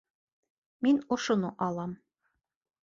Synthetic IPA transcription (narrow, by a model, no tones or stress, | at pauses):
minŏʃŏnoʔɑlˠɑm